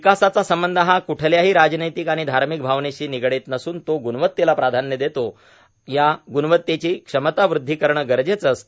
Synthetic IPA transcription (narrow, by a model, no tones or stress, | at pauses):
ʋikasat͡sasəmbənd̪ʱəɦãkuʈʰəljaɦiːɾad͡ʑnəjt̪ikaɽ̃id̪ʱaɾmik̚bʱaʋnet͡ɕiːniɡɽet̪nəsuːnt̪oɡunʋət̪ːelapɾad̪ʱanjəd̪et̪o | jaɡunʋət̪ːet͡ɕiːkʂəmət̪aʋɾud̪ʱːikəɾɳəɡəɾd͡ʑet͡səs